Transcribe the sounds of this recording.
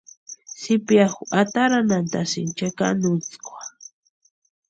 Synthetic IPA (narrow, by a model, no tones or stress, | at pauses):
sɪpjaxat̪aɾanant̪asɪnt͡ʃaka̰nʊt͡skʷḁ